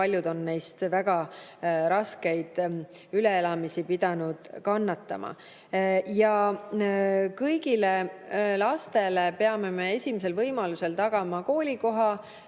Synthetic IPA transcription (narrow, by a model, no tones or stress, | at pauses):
pɑlʲjud̪o̞nːe̞jst̪væɡ̥ɑɾɑske̞jd̪̥ | yle̞elɑmisipid̪̥ɑnud̪̥kɑnːɑt̪ːˑɑ̰mʔɑ̰ | jɑ | kɤjɡile̞lɑst̪e̞le̞pe̞ɑme̞me̞e̞sʲimese̞lvɤjmɑluse̞lt̪ɑɡ̥ɑmɑko̞ːlʲiko̞ɦɑ